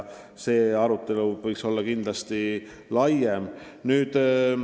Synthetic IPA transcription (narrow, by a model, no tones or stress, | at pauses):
se̞ːɑɾut̪ːˑe̞luvɯjkso̞lːɑkind̪̥lɑst̪i | lɑjemnyːd̪̥